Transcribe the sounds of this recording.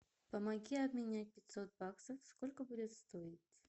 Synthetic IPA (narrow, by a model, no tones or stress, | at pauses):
pəmɐɡʲiɐbmʲɪnʲæt̚ʲpʲɪt̪sot̪̚baksəfskolʲkəbudʲɪt̪st̪oɪtʲ